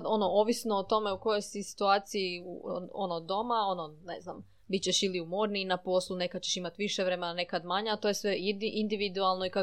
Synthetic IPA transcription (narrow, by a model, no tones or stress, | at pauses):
o̞no̞o̞ʋisno̞ːt̪o̞me̞uko̞jo̞jsisi̥t̪uaːt̪siiṵo̞̰nod̪o̞mao̞no̞nḛznam | bit̪t͡ɕeʃiliumoɾniːnapo̞slˠune̞kad̪̚t͡ɕe̞ʃimat̪ʋiʃeʋɾe̞menane̞kad̪maɲaat̪o̞je̞sʋe̞iʔind̪iʋid̪ualˠnoika